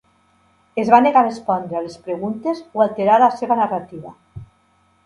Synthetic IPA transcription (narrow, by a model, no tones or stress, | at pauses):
ezβaneɣarespɔnd̪ɾealespɾeɣunt̪ezoalˠt̪eɾaɾlaseβanarat̪iβa